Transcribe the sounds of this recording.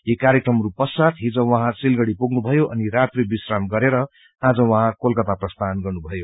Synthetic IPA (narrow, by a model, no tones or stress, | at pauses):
jikaɾjekrʌmɾupʌsat̪ɦĩd͡zʌ̃wʌɦãt͡silɡʌɽipuɡnubʱʌjoʔʌniɾat̪ribisramɡʌɾeɾʌ | ãd͡zʌwʌɦãkolkʌt̪aprʌst̪ʰanɡʌrnubʱʌjo